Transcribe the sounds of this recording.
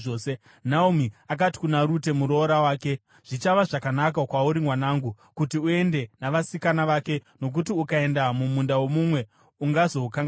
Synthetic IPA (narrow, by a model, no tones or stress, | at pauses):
oe | naumiak̬ati̥kunaɾute̞muɾo̞ɾawaːke̞ | ʐ̥it͡ʃaʋaʐakanak̬akwauɾimwanaːŋɡu | kutiue̞nde̞naʋasikanaʋake̞no̞k̬utiukae̞ndamumundawo̞mumwe̞ | uŋɡazo̞kaŋɡa